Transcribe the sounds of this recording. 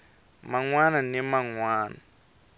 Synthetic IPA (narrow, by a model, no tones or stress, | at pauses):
maŋwananɛmaŋwaːna